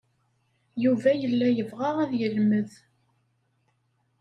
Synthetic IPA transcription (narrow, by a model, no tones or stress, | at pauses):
juvæjəlːæjəvʁaʁæðjəlməð